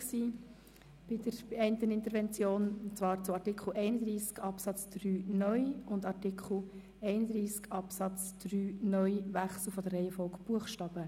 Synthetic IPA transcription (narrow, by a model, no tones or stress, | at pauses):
ksiː | b̥ɪd̥əɾɛɪnt̪ənɪnt̪əɾʋɛnt͡sjoːnt͡svɑːɾt͡sʊɑɾtɪkχl̩ʔɛɪnəd̪ɾiːskɑpsɑt͡sd̥ryːnœʏʊndɑrtɪkʰl̩ | ɛɪnəd̪ɾiːskɑpsɑt͡sd̥ryːnœʏʋæχsl̩ˠfɔd̥ərɛɪjəfɔʊkb̥uəχʃtɑːb̥ə